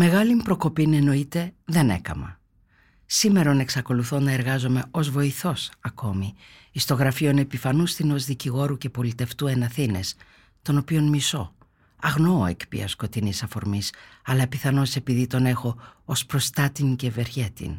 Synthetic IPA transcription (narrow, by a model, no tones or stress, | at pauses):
me̞ɣɐlimpɾo̞ko̞pine̞no̞it̪e̞ðe̞ne̞̰kɐ̰mɐ̰ | sime̞ɾone̞ksɐko̞luθonɐe̞ɾɣɐzo̞me̞o̞zvo̞iθo̞sɐko̞mi | ist̪o̞ɣɾɐfio̞ne̞pifɐnust̪ino̞zðiciɣo̞ɾuce̞po̞lit̪e̞ft̪ue̞nɐθine̞s | t̪o̞no̞pio̞nmiso̞ | ɐɣno̞oe̞̰kpḭɐ̰sko̞t̪inisɐfo̞ɾmisɐlɐpiθɐno̞se̞piðit̪o̞ne̞xo̞ospɾo̞st̪ɐt̪iŋce̞ve̞ɾçe̞t̪ḭn